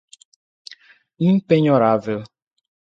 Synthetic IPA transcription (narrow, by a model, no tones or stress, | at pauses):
nim̩peɲɔɾaavɪl